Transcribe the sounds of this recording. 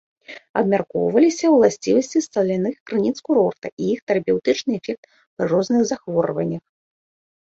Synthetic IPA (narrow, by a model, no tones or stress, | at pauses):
ɐbmʲarkɔ̰wvɐlʲisʲɐwlˠasʲt͡sʲivɐsʲt͡sʲist̪ɐlʲanɨxkɾɨnʲit̪skuɾɔrt̪ɐʔijixt̪ɛɾɐpʲɛwt̪ɨt͡ʂnɨɛfʲɛk̚t̪ | pɾɨrɔznɨɣzaxvɔɾvɐ̰nʲːɐx